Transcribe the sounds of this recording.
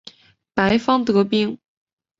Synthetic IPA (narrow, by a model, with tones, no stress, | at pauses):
pa˧˥ɪfɑ˥ŋt̪ɤ˧˥pi˥˧ŋ